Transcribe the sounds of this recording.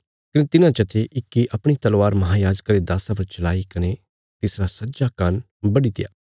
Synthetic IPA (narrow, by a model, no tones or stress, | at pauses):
kɐnet̪ɪnãt͡ʃɐt̪ʰeʔɪkːiʔɐpɽ̃it̪ɐlwaːɾmɐɦaːjaːd͡ʒəkːɐɾed̪aːsapɐɾt͡ʃɐlaːikɐne | t̪ɪsɾasɐtːd͡ʒakan | bɐɽit̪ɪja̰ː